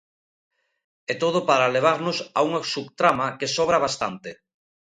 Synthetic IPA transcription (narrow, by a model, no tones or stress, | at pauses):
ɛt̪oðopaɾaleβ̞aɾnʊsa̰uŋasukt̪ɾamakesɔβɾaβ̞ast̪ant̪e